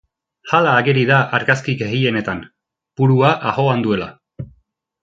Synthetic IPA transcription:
halaːɣeɾiðaʔaɾɣaskiɡeɣie̞ne̞t̪an | puɾuaʔaɣo̞and̪ue̞la̰

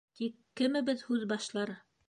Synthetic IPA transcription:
t̪ikːɘ̆mɘ̆bɘðhʉðbɑʃlˠɑɾ

